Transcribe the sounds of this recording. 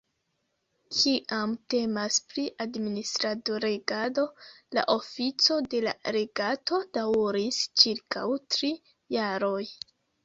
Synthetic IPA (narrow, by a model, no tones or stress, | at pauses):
kʰiʔamte̞maspɾiʔadministɾadoɾeɡado̞ | la̰ʔo̞fit͡so̞de̞la̰ɾe̞ɡato̞dawɾist͡ʃiɾkawtɾi | jaɾo̞j